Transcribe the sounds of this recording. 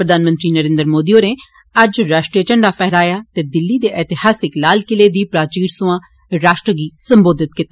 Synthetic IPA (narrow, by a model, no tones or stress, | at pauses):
pɾəd̪aːnmə̃nt̪ɾiːnəɾẽːnd̪əɾmoːd̪ioːneː | ɐd͡ʒɾaːʃʈɾiət͡ʃəɳɖaːpɛɦɾaːjaːt̪eːd̪ɪlːiːd̪eːʔɛːt̪ɪhaːsɪklaːlkɪleːd̪iːpɾaːt͡ʃiːɾsʊãː | ɾaːʃʈɾəɡiːsə̃mboːd̪ɪt̪̚kɪt̪ː